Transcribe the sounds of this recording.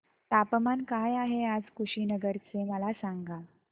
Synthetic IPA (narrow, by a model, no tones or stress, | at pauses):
t̪apmankajaɦead͡zkuɕinəɡəɾt͡seməlasaŋɡa